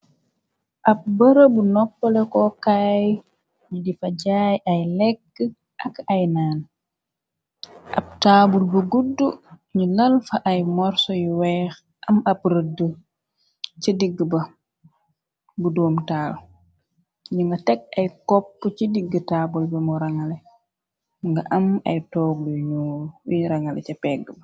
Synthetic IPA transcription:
ʔɐp̚bɐɾɐbunɔpːɔlɛkɔkaːj | ɲidifɐɟajajlɛkːə | ʔɐkajnaːn | ʔɐ̰p̚taːbulbəɡudːuɲilɐlfɐʔajmɔɾsɔjwɛːx | ʔɐmapɾədu | t͡ʃidiɡːəbɐ | budɔːmtaːl | ɲimɐtɛk̚ajkɔpːt͡ʃidiɡːətaːbulbɐmɔɾaŋalɛ | ŋɡaʔama̰jtɔːɡuɲujuɲɾaŋalɛ̰capɛɡːba

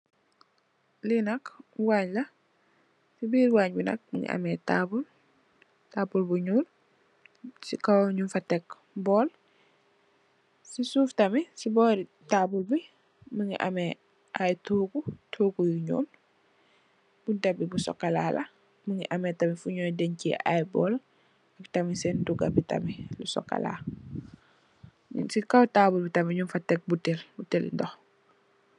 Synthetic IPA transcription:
linɐkwaːɲlɐ | sibiːɾwaːɲbinɐ̰k̚məŋɡḭʔɐ̰mɛtabul | taːbulbuɲuːl | sikɐwɲufɐtɛk | bɔːl | sisuːftɐmisibɔːɾi | tabulbi | məŋɡiʔɐ̰mɛ | ʔajtuːkutʰuːkujuɲɔ̰ːl | b̥udɐbibusɔ̰kːɐlaːlɐ | məŋɡiʔɐmɛtɐmifuɲɔːjdɛɲciʔa̰jbɔːl | ɐktɐmisɛnduɡɐbitɐ̰milusɔ̰kːɐ̰la̰ː | sikɐwtaːbulbitɐmiɲumfɐtːɛk̚butɛlbutɛlḭndɔx

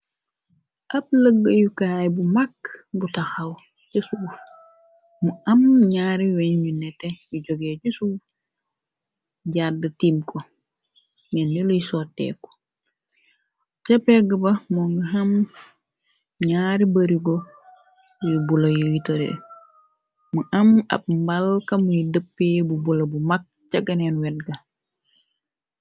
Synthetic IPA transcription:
ʔɐp̚ləɡːəjukajbumakːbutɐxɐw | t͡ʃɛsuːf | muɐmɲaːɾiwɛɲjunɛtːɛjuɟɔɡɛːɟusuːf | ɟadːətiːmkʰɔ | ŋɛndɛlujsɔtːɛ̰ːkːɔ̥ | t͡ʃɐpɛɡɐbɐmɔŋɡɐɦɐm | ɲaːɾibɐɾiɡɔ | jubulɐjuwitoɾḭɛ̰ | muʔɐmɐ̰b̚mbɐlkɐmujidəpːebubulɐbumak̚t͡ʃɐɡɐnɛnwɛt̚ɡɐ

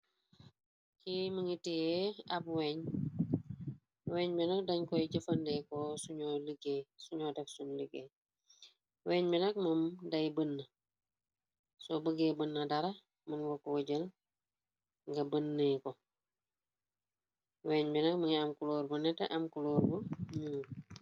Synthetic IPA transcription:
kiməŋitijɛɐbweːɲ | weːɲbɛnɐk̚dɐɲkɔjiɟəfɐndɛkosuɲoləɡeːsuɲɔdɛksunləɡeː | wɛːɲbɛnɐk̚mɐmdɐjbənːɐ | sɔbəɡeːbənːɐdɐɾɐ | mənwokːwəɟəl | ŋɡɐbənːeːko | weːɲbɛnɐk̚məŋiɐmkuloːɾbunɛtːɐ̰ʔɐmkuloːɾbuɲuː

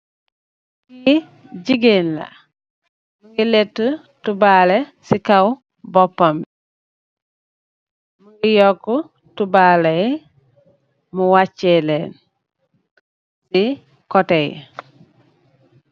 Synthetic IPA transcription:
ɡi | ɟiɡenla̰ | muɡiletːu | tubalesikaw | bopːambi | muɡijoku | tubalej | muwat͡ʃːelen | si | kɔtej

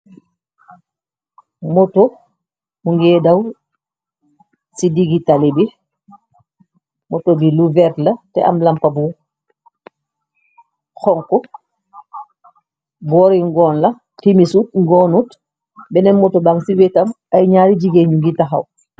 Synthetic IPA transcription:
mɔto | muŋɡɛːdaw | sidiɡitalibi | mɔtobiluvɛɾtlɐtɛ̰ʔa̰mlampabu | xɔŋkɔ | bɔɾiŋɡɔːnlɐ | timisut̚ŋɡɔnut | bɛnɛnmɔtobaŋsiwetam | ajɲaɾiɟiɡeɲuŋɡitaxa̰w

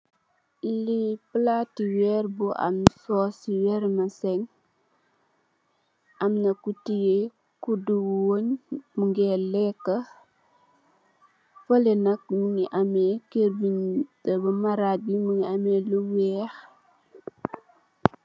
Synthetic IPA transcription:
liplatiwɛrbuʔa̰msɔːsiwɛɾmɐsɛŋ | ɐmnɐkutije | kuduwoɲmuŋɡɛlɛkːə | folɛnɐk̚muŋiʔamɛkeɾbindɐbɐmaɾat̚bimuŋiamɛluwɛːx

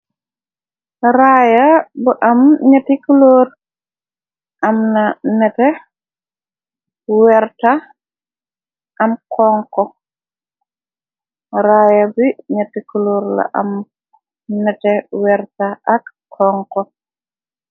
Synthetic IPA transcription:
raːjɐbuʔɐmɲɐtikuloːr | ʔɐmnɐnɛtɛ | wɛrta | ʔɐmkɔːŋkɔ | ɾaːjɐbiɲɐtikuloːɾlɐ̰ʔɐ̰m | nɛtɛwɛrtaʔɐkːʰ | ɔːŋkɔ

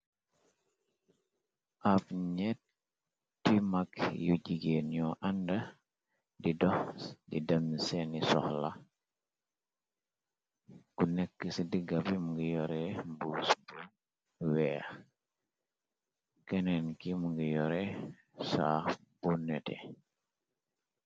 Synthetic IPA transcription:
ʔafɲɛt̚ | tːimakjuɟiɡeːnɲɔʔandɐ | didɔdḭdɐmsenisɔ̰hla | kunekːəsidiɡɐpimuŋɡijɔɾembuːsbu | wɛː | kenenkimuŋɡijɔɾɛ | sa̰bunɛtḛ

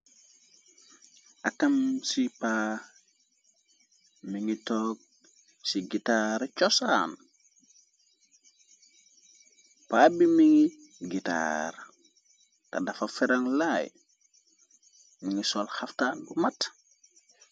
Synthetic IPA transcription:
akamsipa | miŋitɔːk̚ | siɡitaɾt͡ʃɔsan | paːbimiŋi | ɡita̰ɾ | ta̰dafafɛɾaŋlaj | miŋisɔlxaftaɡumat

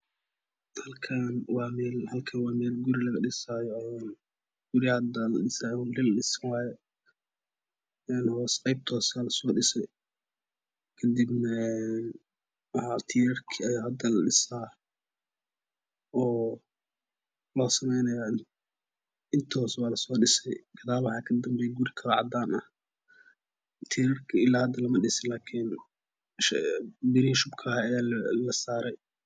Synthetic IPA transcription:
hɐlkʰanwɑːmɛːlhɐlkʰɐnwɑːmɛːlɡuɾilɐɣɐɖɪsaːjɔɛːn | ɡ̥uɾɪhɐd̪ɐlɐ̰ɗɪsaːjlilɐɗɪsɐnwaːjɛ | ɛːnhɐwɐsqɛjb̚t̪ʰɔːsaːlɐsɔːɖɪsɛ | kʰɐd̪ibnɐɛn | ɐhat̪ʰijɐrkʰiɐjaːhɐd̪ɐalɐɖɪsaː | ʔɔː | lɔːsɐmɛjnɐja | ʔɪnt̪ʰɔːswaːlɐsɔːɖɪsɛjɡ̥ɐðaːβʊħɑːkʰɐd̪ɐmbɛjɡuɾɪkʰɐɾɔʕɑ̰d̪aːnɐh | t̪ʰiːɾɐrkʰɐɪlaːhɐd̪ɐlɐmɐɖɪsɪlaːkʰin | ʃbɪɾihʃʊbkʰɐɛlɐsaːɾɛj

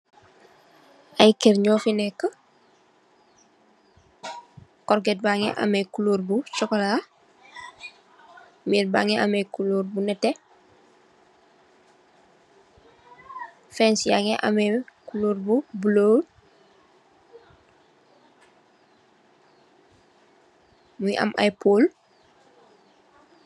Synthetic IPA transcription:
ʔajkeɾɲɔːfinɛkːə | kɔɾɡɛt̚baŋɛ̰ʔa̰mɛkuluːɾbut͡ʃɔkɔla | miːɾbaŋɛʔamɛkuloːɾbunɛtɛ | fɛnsja̰ŋɛʔa̰mɛkuloːɾbubuloː | mujʔa̰mʔa̰jpʰoːl

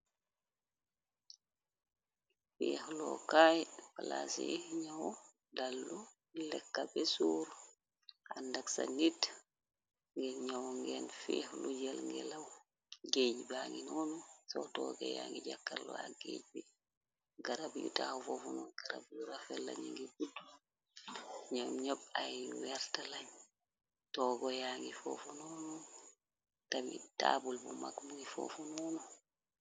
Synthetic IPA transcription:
fihlɔ̰kajpalasiɲaw | dalːu | lɛkːabɛsuɾ | andaksa̰nit | ŋɡɛɲawŋɡɛnfihlud͡ʒalŋɡɛlaw | ɡed͡ʒibaŋɡinɔnusɔtɔɡɔ̰jaŋɡid͡ʒakːaɾlaɡḛd͡ʒbɛ | ɡaɾabjṵtahufɔfɔnɔnɡ̥aɾabjuɾafɛlːa̰ɲɛŋɡɛɡudːu | ɲamɲɔbajwɛɾtalaɲ | tɔɡɔjaŋɡifɔfɔnɔnɔ | tamitabulbɔmakmuɡifɔ̰fɔnɔnɔ

